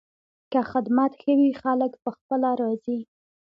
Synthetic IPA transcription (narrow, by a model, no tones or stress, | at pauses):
kaxɪd̪mat̪xəwixaləkpəxpəlaɾɑzi